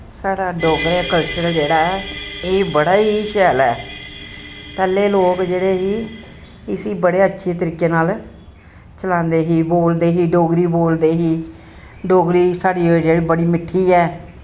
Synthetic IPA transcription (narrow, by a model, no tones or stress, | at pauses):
saːɽaːɖoːɡɾeːkəlt͡ʃəɾəld͡ʒeːɽaːɛeːbəɽaːiːʃɛːlɛː | pɛːleːloːkd͡ʒeːɽeːɦiː | ɪsiːbəɽeːətːʃʰeːt̪əɾiːkːeːnaːl | t͡ʃəlãːnd̪eːɦiːboːld̪eːɦiːɖoːɡɾiːboːld̪eːɦiː | ɖoːɡɾiːsaːɽiːod͡ʒeːɽiːbəɽiːmɪʈʰːiːɛː